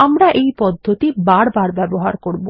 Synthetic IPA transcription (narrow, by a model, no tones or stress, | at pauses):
amɾaʔejpɔd̪ʱːot̪ibaɾbaɾbɛboɦaɾkoɾbo